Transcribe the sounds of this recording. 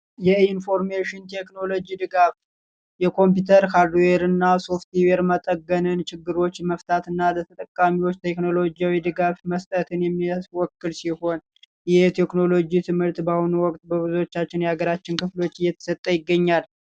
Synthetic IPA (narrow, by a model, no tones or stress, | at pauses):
jɛinfo̞ɾmeʃɪnt̪ʰekno̞lo̞d͡ʒid̪ɨɡaf | jɛkʰo̞mp̬jut̪ʰəɾkʰaɾd̪weɾɨnːaso̞ft̪iweɾmət̪ʼəɡːənɨnt͡ʃɪɡːɨɾo̞t͡ʃːməft̪ʰat̪ɨnːalət̪ʰət̪ʼəkʼːamiwo̞t͡ʃːt̪ʰe̞kno̞lo̞d͡ʒijawid̪ɨɡafməst̪ʼət̪ʰɨnjɛmːiswɔkːɨlsiho̞n | jɛt̪ʰe̞kno̞lo̞d͡ʒit̪ʰɨmhɨɾt̪bahunuwɔkʼt̪ʼbəβɨzuot͡ʃːat͡ʃːɪnjaɡəɾat͡ʃːɪnkʰɨflo̞t͡ʃːɨjːɛt̪ʰə̥sət̪ʼːəjɪɡːəɲːal